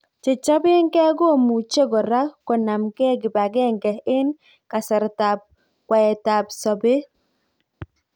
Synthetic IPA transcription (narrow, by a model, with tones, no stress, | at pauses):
t͡ʃe˨t͡ʃɔ˦bɪ˦ŋkɛ˦ɡo˦˨mu˨t͡ʃe˦ɡɔ˨ɾa˦kɔ˨na˨mkɛ˦ɡɪ˨ba˨ɡɛ˦˨ŋɡɛ˨ɪ˦n | ka˨sɛ˨ɾta˨p̚ | kwa˨ɛ˨ta˨psɔ˨be˦